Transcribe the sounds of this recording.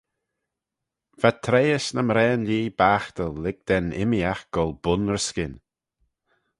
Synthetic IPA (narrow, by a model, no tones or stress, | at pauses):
v̥at̪ʰɾejəsnəmɾɛːnliːbaːxt̪əlːɪɡ̚d̪̥ɛnɪ̰miaxɡ̥ɔlˠbʊnɹskɪn